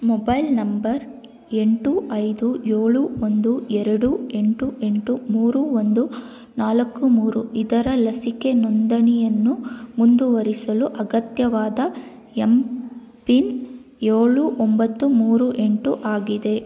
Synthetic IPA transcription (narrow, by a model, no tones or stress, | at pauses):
mɔbɐjlnɐmbɐɾ | e̞ɳʈuʔɐjd̪ujeːɭuond̪uɛɾɐɽue̞ɳʈue̞ɳʈumuːɾuond̪u | naːlɐkːumuːɾuʔid̪ɐɾɐlɐsike̞nond̪ɐɳijɐnːumund̪uʋɐɾisɐluʔɐɡɐt̪jɐʋaːd̪ɐ | em | pin | jeːɭuʔombɐt̪ːumuːɾuʔe̞ɳʈuʔaːɡid̪e̞